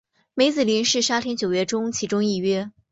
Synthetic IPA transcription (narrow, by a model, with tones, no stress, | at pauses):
me˧˥ɪt͡sɹ̩˨˩li˧˥nʂɻ̩˥˩ʂa˥t̪ʰjɛ˥nt͡ɕjo˨˩ʊɥɛ˥˩ʈ͡ʂʊ˥ŋt͡ɕʰi˧˥ʈ͡ʂʊ˥ŋi˥˩ɥɛ˥